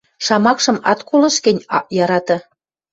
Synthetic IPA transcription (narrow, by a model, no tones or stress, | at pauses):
ʃɑmɑkʃɤ̆mɑ̰t̪kolɤ̆ʃkĕnʲjɑɾɑt̪ɑ̆